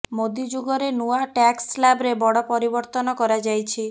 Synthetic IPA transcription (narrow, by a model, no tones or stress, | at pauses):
mod̪id͡ʒuɡɔɾenuaʈakslabɾebɔɽɔpɔɾibɔɾt̪ɔnɔkɔɾad͡ʒajt͡ʃʰi